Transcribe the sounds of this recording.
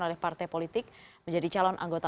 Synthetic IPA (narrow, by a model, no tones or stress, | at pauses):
nolɛhpart̪ɛjpolit̪ɪk̚məɲd͡ʒadit͡ʃalɔnʔa̰ŋɡot̪a